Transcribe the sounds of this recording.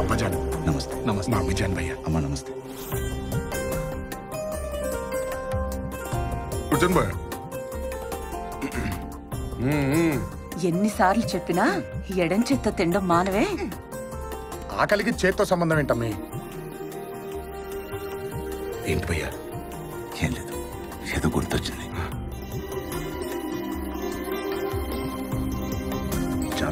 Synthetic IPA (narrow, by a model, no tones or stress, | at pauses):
ɐbɐd͡ʒaːnnɐmɐst̪e̥nɐmɐsmaːʋid͡ʒjaːnibɐ̰jːa̰ɐmːaːnɐmɐst̪e̥ | ud͡ʒɐnbɐj | enːisaːɾlut͡ʃepːinaːɛɽɐnt͡ʃet̪ːɐt̪iɳɖomːaːnɐʋeː | a̰ːkɐlik̬it͡ʃeːt̪ːoːsɐmbɐnd̪ɐmeɳʈɐmːi | eːɳʈipɔːjːa̰ː | eːnleːd̪u̥ | eːd̪oːɡuɾt̪ot͡ʃːind̪i | t͡ʃa̰